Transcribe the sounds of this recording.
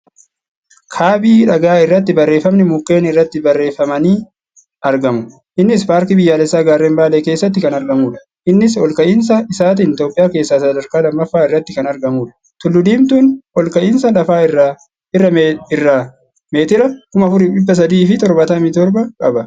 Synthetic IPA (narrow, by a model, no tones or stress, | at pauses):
kʰaːbiːᶑɐɡaːɪrːɐt̪ːɪbɐrːe̞ːfɐmnɪmʊkːe̞ːnɪrːɐt̪ːɪbɐrːe̞ːfɐmɐniː | ɐɾɡɐmʊ | ʔɪnːɪspaːɾkɪbɪjːaːlɛsːaːɡaːɾeːmbaːlɛːke̞ːsːɐt̪ːɪkɐnɐɾɡɐmuːᶑɐ̥ | ʔɪnːɪs̬ɔlkɐʔɪns̬ɐɪsaːt̪̬iːnt̪jo̞ːpʼɪjaːke̞ːsːaːsɐd̪ɐɾkaːlɐmːɐfːaːɪrːɐt̪ːɪkɐnɐɾɡɐmuːᶑɐ̥ | t̪ʊlːʊd̪iːmt̪uːnɔlkɐʔɪnsɐlɐfaːɪrːa | ɪrːɐɪrːɐ | meːt̪ɪɾɐkʊmɐfʊɾɪᶑɪbːɐs̬ɐd̪iːfɪt̪ɔɾbɐt̪ɐmit̪ɔɾbɐkʼɐbɐ